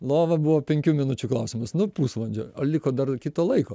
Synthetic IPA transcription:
lˠoːʋɐbʊʋoːpʲɛŋʲkʲuːmʲɪnʊt͡ʃʲuklˠɐʊsʲɪmɐsnʊpuːsʋɐnʲd͡ʒʲo̰olʲɪkoːd̪ɐrkʲɪt̪oːlˠɐɪkoː

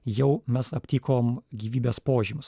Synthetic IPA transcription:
jɛʊmʲɛsɐpʲt̪ʲiːkoːmɡʲiːʋʲiːbʲeːspoːʒʲiːmʊs

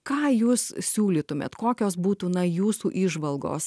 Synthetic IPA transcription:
kɑːjuːssʲuːlʲiːt̪ʊmʲḛːt̪koːkʲoːs̬buːt̪uːnɐjuːsuːʔiʒʋɐlˠɡo̰ːs

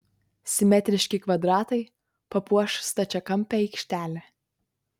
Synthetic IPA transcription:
sʲɪmʲɛt̪ʲɾʲɪʃʲkʲɪkʋɐd̪ɾɑːt̪ɐɪ | pɐpuɔʃst̪ɐt͡ʃʲɛkɐmʲpʲɛɛɪkʃʲt̪ʲæːlʲɛ

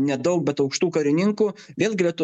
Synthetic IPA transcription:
nʲɛd̪ɐʊk̚bʲɛt̪ɐʊkʃt̪uːkɐɾʲɪnʲɪŋkuːʋʲeːlˠɡʲɪlʲɛt̪ʊ

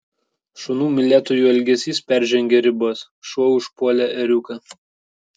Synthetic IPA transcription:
ʃonuːmʲɪlʲæːt̪oːjuːɛlʲɡʲɛsʲiːspʲæɾʲʒʲɛŋʲɡʲɛɾʲɪboːs | ʃuɔʊʃpuɔlʲɛɛɾʲʊkɐ

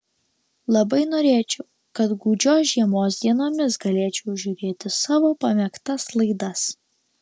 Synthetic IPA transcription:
lˠɐbɐɪnoːɾʲeːt͡ʃʲɛʊ | kɐt̪ɡuːd͡ʒʲoːsʒʲiɛmoːsd̪ʲiɛnoːmʲɪsɡɐlʲeːt͡ʃʲɛʊʒʲuːɾʲeːt̪ʲɪsɑːʋoːpɐmʲɛkt̪ɐslˠɐɪd̪ɐs

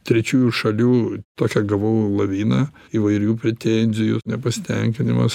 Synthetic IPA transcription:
t̪ʲɾʲɛt͡ʃʲuːjuʃɐlʲuːt̪oːkʲɛɡɐʋɐʊlˠɐʋʲiːnɐiːʋɐɪɾʲuːpʲɾʲɛt̪ʲɛnʲzʲɪjʊnʲɛpɐsʲɪ̥t̪ʲɛŋʲkʲɪnʲɪ̰mɐs

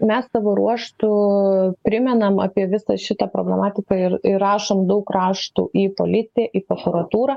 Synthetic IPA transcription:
mʲɛssɑʋoːɾuɔʃt̪ʊpʲɾʲɪmʲɛnɐmɑ̰ːpʲiɛʋʲɪsɐʃʲɪt̪ɐpɾoːbʲlʲɛmɑːt̪ʲɪkɐɪɾɪɾɑːʃoːmd̪ɐʊkrɑːʃt̪ṵʔipoːlʲɪt̪ʲɪjɛʔiːpɾokuɾɐt̪uːɾɐː

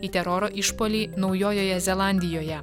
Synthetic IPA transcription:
it̪ʲɛɾɔɾoːʔɪʃpoːlʲiːnɒʊjoːjoːjɛzʲɛlˠɑˑnʲd̪ʲɪjoːjɛ

